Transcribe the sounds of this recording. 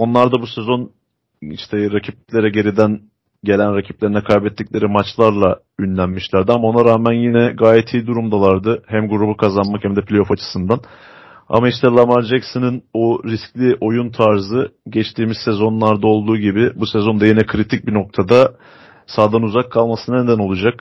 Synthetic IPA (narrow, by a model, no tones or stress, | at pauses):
o̞nlˠaɾd̪abusɛzo̞n | ḭʃt̪ʰɛɾacʰip̚lʲe̞ɾɛɟe̞ɾid̪æn | ɟe̞lʲænɾacʰiplʲeɾinɛkʰajbɛt̪ːicʲlʲe̞ɾimat͡ʃlˠaɾlˠa | ynlʲænmiʃlʲæɾd̪iamaonaɾaːmænjinɛɡaːjɛt̪ʰiːd̪uɾumd̪alˠaɾd̪ɯhæmɡuɾubukʰazanmakhæmd̪ɛplʲejofat͡ʃʰɯ̥sɯnd̪an | a̰maiʃt̪ʰɛlˠamaɾd͡ʒɛksɯnɯnoɾisclʲiʔo̞junt̪ʰaɾzɯɟɛt͡ʃt̪ʰiːmizsezo̞nlˠaɾd̪ao̞lˠd̪uːɟibɪbusɛzo̞nd̪ajinɛkʰɯɾit̪ʰic̚bino̞k̚t̪ʰad̪a | saːd̪anuzakʰːalˠmasɯnned̪æno̞lˠud͡ʒak